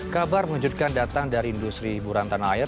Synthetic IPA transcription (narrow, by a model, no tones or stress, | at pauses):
kabarməŋud͡ʒut̪̚kandat̪aŋdaɾiindust̪ɾibuɾant̪anaɪr